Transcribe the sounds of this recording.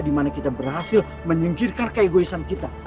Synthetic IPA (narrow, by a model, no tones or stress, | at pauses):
dimanakit̪abərɦasɪl | məɲiŋkirkankəeɡoisankit̪a